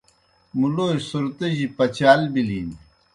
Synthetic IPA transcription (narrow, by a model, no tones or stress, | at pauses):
muloːisuɾt̪eʑipɐt͡ɕaːlbilin